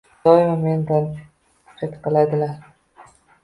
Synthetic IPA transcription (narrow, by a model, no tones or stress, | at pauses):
ɒjɪmamend̪an | t͡ʃʰet̪qɨlad̪ɪlaɾ